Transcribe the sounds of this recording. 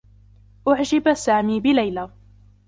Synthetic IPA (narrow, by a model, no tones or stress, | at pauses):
ʔʊʕd͡ʒɪbasaːmiːbɪlajla